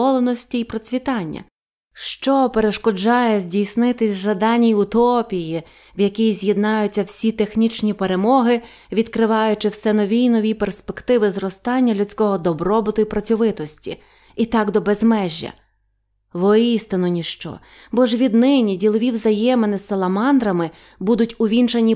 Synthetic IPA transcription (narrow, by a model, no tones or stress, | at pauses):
ɔlˠenɔsʲtʲiipɾɔt͡sʲʋʲit̪ɑnʲːɐ̰ | ʃt͡ʃɔpeɾe̞ʃkɔd͡ʒɑjɛzʲdʲijsnɪt̪ɪsʲʒɐd̪ɑnʲijʊt̪ɔpʲiji | wjɐkʲijzʲjed̪nɑjʊt͡sʲːɐwsʲit̪e̞xnʲit͡ʃnʲipeɾe̞mɔɦɪ | ʋʲid̪kɾɪʋɑjʊt͡ʃɪwsɛnɔʋʲiinɔʋʲiperspe̞kt̪ɪʋɪzrɔst̪ɑnʲːɐlʲʊt͡sʲkɔɦɔd̪ɔbɾɔbɪt̪ʊipɾɐt͡sʲɔʋɪt̪ɔsʲtʲḭ | it̪ɑɡd̪ɔbezmɛʒʲːɐ̰ | ʋɔist̪ɪnɔnʲiʃt͡ʃɔ̰bɔʒʋʲid̪nɪnʲidʲilˠɔʋʲiwzɐjɛmenɪsɐlˠɐmɑnd̪ɾɐmɪ | bud̪ʊtʲʊʋʲint͡ʃenʲi